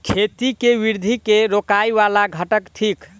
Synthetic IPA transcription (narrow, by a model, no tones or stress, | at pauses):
kʰet̪ikeʋiɾd̪ʱikeɾokajʋalaɡʱəʈəkʈʰik